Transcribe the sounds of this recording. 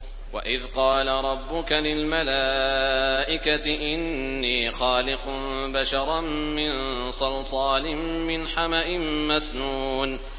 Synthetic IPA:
wa̰ʔɪðqɑːlaɾˤɑbːʊkalɪlmalaːʔɪkat̪ɪʔɪnːiːxɑːlɪqʊmbaʃɑɾˤɑmːɪn | sˤɑlsˤɑːlɪmːɪnħamaʔɪmmasnuːn

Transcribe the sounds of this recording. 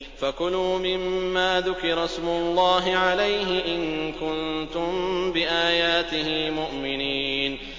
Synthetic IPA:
fakʊluːmɪmːaːðʊkɪɾˤɑsmʊlˤːɑːɦɪʕalajɦɪʔɪnkʊnt̪ʊmbɪʔaːjaːt̪ɪɦɪmʊʔmɪniːn

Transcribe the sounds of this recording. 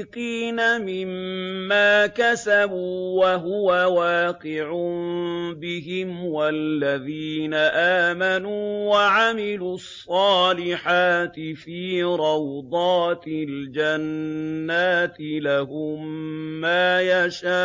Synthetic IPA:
qiːnamɪmːaːkasabuːwaɦʊwawaːqɪʕʊ | bɪɦɪmwalːaðiːnaʔaːmanuːwaʕamɪluɑsˤːɑːlɪħaːt̪ɪfiːɾˤɑwd̪ˤɑːt̪ɪld͡ʒanːaːt̪ɪlaɦʊmːaːjaʃaː

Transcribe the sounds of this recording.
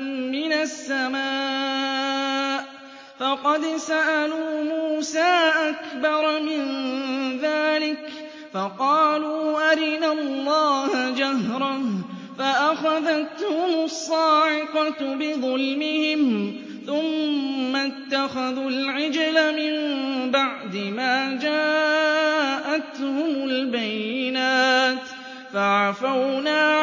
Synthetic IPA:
mɪnasːamaː | ʔ | fɑqɑd̪saʔaluːmuːsaːʔakbɑɾˤmɪnðaːlɪk | fɑqɑːluːʔaɾɪnalːɑːhd͡ʒahɾˤɑ | faʔaxaðat̪hʊmʊsˤːɑːħɪqɑt̪bɪðˤʊlmɪhɪm | θʊmːat̪ːaxaðuːlʕɪd͡ʒlamɪmbaʕd̪ɪmaːd͡ʒaː | ʔat̪hʊmʊlbajːɪnaːt̪ | faʕafawnaː

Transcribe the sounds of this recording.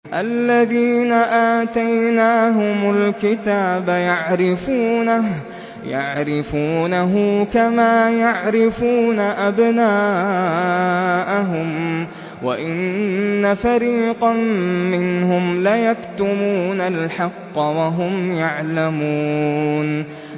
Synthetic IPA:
ʔalːaðiːnaʔaːt̪ajnaːɦʊmalkɪt̪aːbajaʕɾɪfuːnah | ja̰ʕɾɪfuːnaɦʊkamaːjaʕɾɪfuːnaʔabnaː | ʔaɦʊm | wa̰ʔɪnːafaɾiːqɑmɪnhʊmlajakt̪ʊmuːnalħɑqːɑwaɦʊmjaʕlamuːn

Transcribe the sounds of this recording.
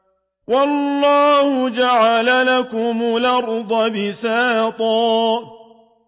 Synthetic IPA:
wɑlːɑːhʊd͡ʒaʕalalakʊmʊlɑɾd̪ˤɑbɪsaːt̪ˤɑː

